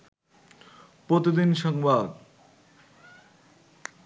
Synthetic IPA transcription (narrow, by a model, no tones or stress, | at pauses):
pɾot̪id̪inʃɔŋbad̪